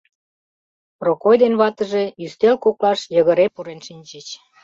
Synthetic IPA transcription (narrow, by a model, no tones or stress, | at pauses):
prokojd̪enβɑt̪ə̆ʒe̽yst̪elkoklɑʃjə̆ɣə̆ɾepuɾenʃinʲt͡ɕət͡ɕ